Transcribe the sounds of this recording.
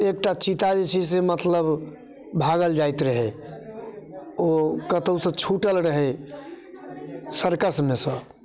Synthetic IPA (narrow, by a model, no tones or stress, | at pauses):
ek̚ʈat͡ʃit̪ad͡ʒet͡ʃʰɛs̬emət̪ləb | bʱaɡəld͡ʒajt̪ɾəɦɛ | okət̪əwsə̃t͡ʃʰuʈəlɾəɦɛ | səɾkəsmesə̃